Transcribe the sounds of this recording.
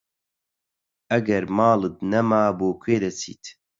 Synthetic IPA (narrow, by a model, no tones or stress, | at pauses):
ɐɡɐɾmaːlɨt̪nɐmaːboːkʰweːd̪ɐt͡sʰḭːt̪